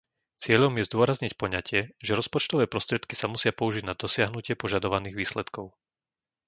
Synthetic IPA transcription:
t͡sɪɛʎɔmjɛzd̪ʊɔɾazɲicpɔɲacɪɛʒɛɾɔspɔt͡ʃt̪ɔʋɛːpɾɔst̪ɾɪɛt̪ki̥samusɪapɔuʒiɟnad̪ɔsɪaɦnucɪɛpɔʒad̪ɔʋaniːɣʋiːslɛt̪kɔʊ

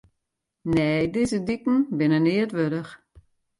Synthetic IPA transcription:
neːdɪzədikn̩bɪnənɪətʋøɾəx

